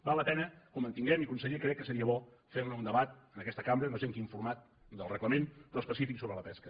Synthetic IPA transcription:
balːəpɛnəkumənt̪iŋɡɛmikunsəɣekɾɛkːəsəɾiəβɔfeɾləund̪əβat̪̚ənəkɛst̪əkambɾələʒeŋkiɱfuɾmat̪̚ | d̪əlˠrəkləmenəspəsifiksoβɾələpɛskə

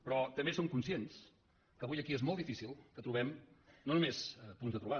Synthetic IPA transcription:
pɾɔt̪əmbesoŋkunsiens | kəβujəkiezmolˠd̪ifisilˠkət̪ɾuβɛmnonumesəpunzðət̪ɾuβa

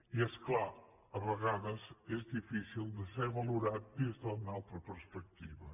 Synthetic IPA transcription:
iɛskla | əβəɣaðəzezðifisilˠd̪əseβəluɾat̪̚d̪izðənalˠt̪ɾəpəɾspək̚t̪iβə

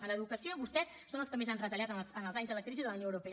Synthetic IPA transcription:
ələðukəsioiβust̪ɛs | sonəlˠskəmezanrət̪əʎat̪ənsənəlˠzaɲzðələkɾiziðələwnioəwɾupeə

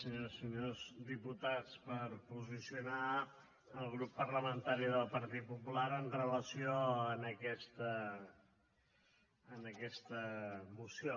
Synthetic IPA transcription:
səɲosːəɲozd̪iput̪at͡spəɾpuzisiuna | əlˠɣɾupːərləmənt̪aɾiðəlˠpəɾt̪it̪̚pupulaɾənrələsioənəkɛst̪ə | nəkɛst̪əmusio

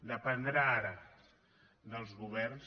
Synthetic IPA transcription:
d̪əpənd̪ɾaaɾə | d̪əlˠzɣuβɛrns

